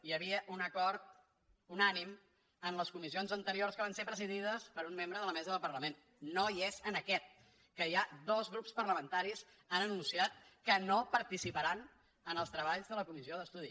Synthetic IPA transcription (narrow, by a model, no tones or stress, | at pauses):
jəβiəʔunəkɔɾt̪ | unanim | ənləskumizionzənt̪əɾiorskəβansepɾəziðiðəspəɾumːembɾəðələmɛzəðəlˠpəɾləmen | nːoiezənəkɛt̪̚ | kəiad̪ɔzɣɾupspərləmənt̪aɾis | anənunsiat̪̚kənopəɾt̪isipəɾan | ənəlˠst̪ɾəβaʎzðələkumizioðəst̪uði